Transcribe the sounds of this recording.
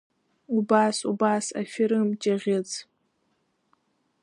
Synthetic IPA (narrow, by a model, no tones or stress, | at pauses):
ubasubaːsa̰fʲɪɾɨmd͡ʒʼaʁʲɪt͡sʰ